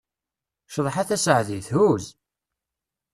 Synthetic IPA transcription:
ʃəðˤħaθæsəʕðiθhuz

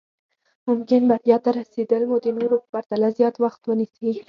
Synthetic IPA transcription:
mʊmkʲɪnbaɾjɑt̪aɾasid̪əlmod̪inuɾʊχ̚b̥aɾt̪alazijɑt̪wɑχt̪wʊnisi

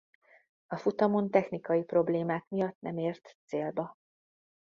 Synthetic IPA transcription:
ɒfut̪ɒmont̪ɛxnikɒjipro̞bleːmaːkmijɒt̪nɛ̰meːrt̪seːlbɒ

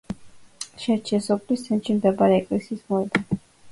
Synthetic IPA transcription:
ʃɛɾt͡ʃʰɛsɔpʰlist̪ʰɛnʃimd̪ɛbaɾɛɛkʼlɛsiːsmɔɛd̪a

